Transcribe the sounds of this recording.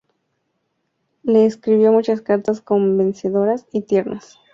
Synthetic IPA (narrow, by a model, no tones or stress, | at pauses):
le̞ːskɾiβjo̞mut͡ʃaskaɾt̪asko̞mbe̞nse̞ðo̞ɾasit̪je̞ɾnas